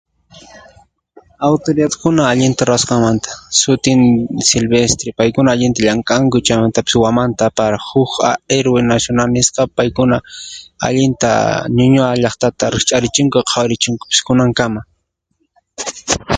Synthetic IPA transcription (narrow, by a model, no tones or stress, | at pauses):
awt̪oɾɪdat̪kʊnaːʎɪnt̪aɾasqɑŋmant̪ḁsʊt̪ɪnsɪlbest̪ɾɪpajkʊnaːʎɪnt̪aʎaŋkʼaŋkʊt͡ʃajmant̪apɪ̥swamant̪aːpaɾahʊkaeɾwenasjonalnɪsqɑpajkʊnaa̰ʎɪnt̪a̰ɲʊɲʊaʎɑχt̪at̪aɾɪχt͡ʃʼaɾɪt͡ʃɪŋkʊqʰawɾɪt͡ʃɪŋkʊ̥pɪ̥skʊnaŋkama